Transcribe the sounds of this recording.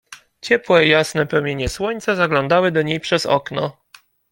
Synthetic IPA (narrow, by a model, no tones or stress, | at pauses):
t͡ɕɛpwɛijasnɛpɾɔmʲjeɲɛswɔɲt̪sazaɡlɔnd̪awɘd̪ɔɲejpʂɛzɔ̰knɔ